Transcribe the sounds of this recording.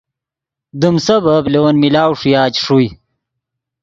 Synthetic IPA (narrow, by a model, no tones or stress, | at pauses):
d̪umsɐbɐblewɐnmilaːwʂujaːt͡ɕʂuj